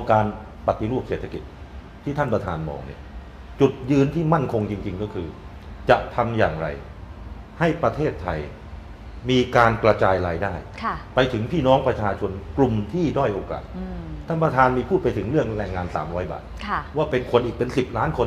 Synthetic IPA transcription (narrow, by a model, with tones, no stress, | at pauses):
ɔ˧ŋkaː˧n | pa˨˩t̪i˧ɾuː˥˩p̚seː˨˩t̪ʰːa˧ki˨˩t̪̚ʰː | iː˥˩t̪ʰa˥˩npɾa˧t̪ʰaː˧nmɔ̰ː˧ŋnḭ˥˩ɐ | t͡ɕu˨˩t̪̚jɯː˧nt̪ʰiː˥˩ma˥˩nkʰo˧ŋt͡ɕi˧ŋt͡ɕi˧ŋkɔː˥˩kʰɯː˧ | t͡ɕa˨˩ʔt̪ʰa˧mjaː˨˩ŋɾa̰˧j | ha˥˩jpɾa˧t̪ʰeː˥˩t̪ʰːa˧j | miː˧kaː˧nkɾa˧t͡ɕaː˧jɾaː˧jdaː˥˩jkʰa˩pa˧jt̪ʰɯ˩˦ŋpʰiː˥˩nɔː˦˥ŋpɾa˧t͡ɕʰaː˧t͡ɕʰo˧nklu˨˩mt̪ʰiː˥˩dɔ˥˩jʔoː˧ka̰ː˨˩t̪̚t̪ʰːa˥˩npɾa˧t̪ʰaː˧nmiː˧pʰuː˥˩pa˧jt̪ʰɯ˩˦ŋɾɯ˥˩əŋɾɛː˧ŋːaː˧nsa̰ː˩˦mɾɔː˦˥jba̰ː˨˩t̪̚kʰa˥˩waː˥˩pe˧nkʰo˧nʔiː˨˩k̚pe˧nsi˨˩p̚laː˦˥nkʰo˧n